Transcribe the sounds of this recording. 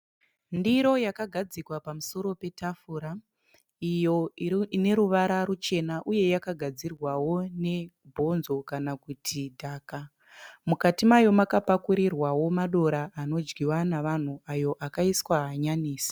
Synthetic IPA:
ndiɾo̞jakaɡʱad͡zikwapamuso̞ɾo̞pe̞tafuɾa | ijo̞iine̞ɾuʋaɾarut͡ʃe̞naʔuje̞jakaɡʱad͡zirwawo̞ne̞ | bʱo̞nzo̞kanakutʰidʱaːka | mukatimajo̞makapakuɾirwawo̞maɗo̞ɾaʔano̞d͡ʒɡiwanaʋan̤uajo̞ʔakaiswaɦaɲaniːsḁ

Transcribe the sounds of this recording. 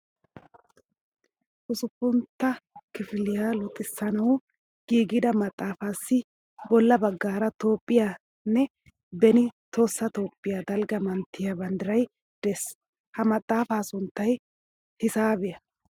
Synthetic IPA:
ʔʊsʊpːʊnt̪ːɐkɪfɪlɪjaːlʊt̪ʼːɪsːɐnɐw | ɡ̥iːɡɪd̪ɐmɐt̪ʼːaːfaːsːɪ | bɔlːɐbɐɡːaːɾɐt̪o̞ːpʼːɪjaː | nːɛ | bɛnɪt̪ʰo̞ːsːɐt̪o̞ːpʼːɪjad̪ɐlɡɐmɐnt̪ːɪjabɐnd̪ɪɾɐj | d̪̥ɛs | hɐmɐt̪ʼːaːfaːsʊnt̪ːɐj | hɪsaːbɛjɐ

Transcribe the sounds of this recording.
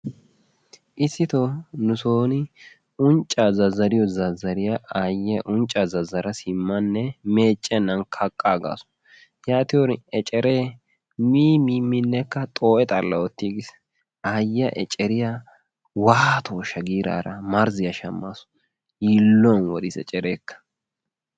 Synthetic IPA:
ʔɪsːɪt̪onʊsoːnɪ | ʊnt͡ʃʼːazɐzɐɾɪjɔzɐzːɐɾɪjaʔajːɐʔʊnt͡ʃʼːazɐzːɐɾɐsɪmːɐnːɛmeːt͡ʃʼːɛnːɐnkʰɐkʼːaːɡa̰ːsʊ̥ | jaːt̪ɪjɔɾɛt͡ʃʼɛɾeː | miːmimːɪnːɛkːɐt̪ʼoːʔɛt̪ʼɐlːɐwɔt̪ːiɡɪs | ajɐʔɛt͡ʃʼɛɾɪja | waːt̪ʰoːʃɐɡiːɾa̰ːɾɐmɐɾzɪjɐʃɐmːasʊ̥ | jiːlːɔnwɔd̪ɪsɛ̰t͡ʃʼɛɾeːkːɐ̥

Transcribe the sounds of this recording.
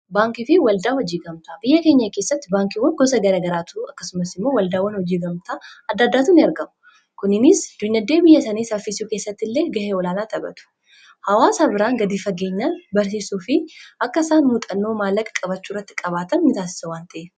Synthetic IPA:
baːŋkɪfɪwɐld̪aːwɐd͡ʒiːɡɐmt̪abɪjːɐkeːɲːɐkesːɐt̪ːɪbaːŋkɪwɐŋɡɔs̬ɐɡɐɾɐːɡɐɾaːt̪uɐkːɐ̥sʊmɐsɪmːo̞ːwɐld̪aːwɐnhɔd͡ʒiːɡɐmt̪aːɐd̪ːɐd̪ːaːt̪ʊnɪɐɾɡɐmʊ | kʊnɪnɪsd̪̥ʊɲːɐd̪ːe̞ːbɪjːɐsɐniːsɐfisuːke̞ːsːɐt̪ːɪlːe̞ːɡɐheːɔlaːnaːt̪ɐbɐ̰t̪ʊ̥ | hɐwaːsabɪɾaːŋɡɐd̪iːfɐɡe̞ːɲːaːnbɐɾs̬iːsuːfɪʔɐkːɐsaːnmʊt̪ʼɐnːo̞ːmaːlːɐkʼɐ̥kʼɐbɐt͡ʃːuːrːɐt̪ːɪkʼɐβaːt̪ɐnnɪt̪aːsɪ̥sɐwaːnt̪ɐʔeː

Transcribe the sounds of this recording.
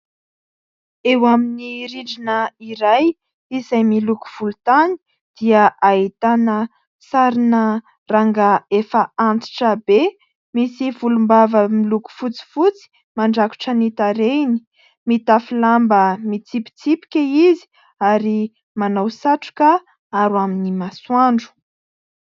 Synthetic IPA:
ewaminiɾiɖ͡ʐinəiɾaj | izajmiluku̥v̥ulut̪ani̥ | d̪̥iəʔait̪anə | saɾinə | raŋɡaefəant͡si̥ʈ͡ʂəbe | misivulumbavəmiluku̥fut͡si̥fut͡si̥ | maɳɖ͡ʐaku̥ʈ͡ʂənit̪aɾeni̥ | mit̪afilambəmit͡sipi̥t͡sipi̥kʲaizi̥ | aɾi | manawsaʈ͡ʂu̥ka | aɾuaminimaswaɳɖ͡ʐu̥

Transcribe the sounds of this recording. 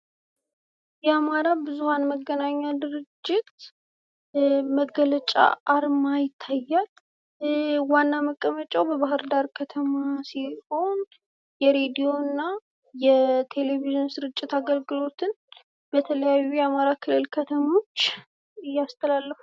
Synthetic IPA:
jɛamaɾabɨzuhanməɡːənaɲːad̪ɨɾɨd͡ʒːɪt̪ | məɡələt͡ʃʼa̰aɾmajɪt̪ʰːajːal | wanːaməkʼːəmət͡ʃʼawbəβaɦɨɾd̪aɾkʰət̪ʰəmasiho̞n | jɛɾe̞d̪ijo̞nːa | jɛt̪ʰe̞le̞viʒɨnsɨɾɨt͡ʃʼːɪt̪aɡəlɡɨlo̞t̪ʰɨn | b̥ət̪ʰələjajːujɛamaɾakʰɨlːɨlkʰət̪ʰəmo̞t͡ʃː | ɨjːast̪ʰəlalːəfu̥

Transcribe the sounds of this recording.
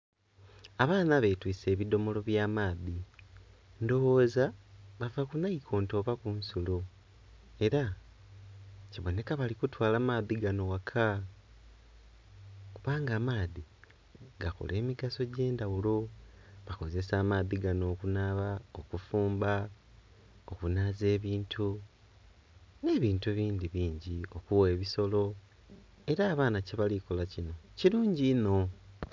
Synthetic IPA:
aβaːnaβe̞twiːse̞ːβido̞mo̞lo̞βjaːmaːði | ndo̞woːzaβavakunaikʰo̞ːnto̞βakunsulo̞ | e̞ɾa | ciβo̞ne̞kaβalikutwaːlaːmaːðiɡano̞wakʰa | kuβaːŋɡaːmaːði | ɡako̰lʔe̞ːmiɡaso̞ɟe̞ːndawulo̞βako̞ze̞saːmaːðiɡano̞ːkunaːβaokufuːmba | o̞kunaːze̞ːβiːntʰu | ne̞ːβiːntuβiːnd̪iβiːɲɟio̞kuwe̞ːβiso̞lo̞ | e̞ɾaːβaːnaceβalikolacino̞ciɾuːɲɟino̞

